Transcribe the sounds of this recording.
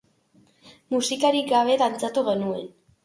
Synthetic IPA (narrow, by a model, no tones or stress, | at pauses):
musikaɾiɡaβ̞e̞ðant͡sat̪uɣe̞nue̞n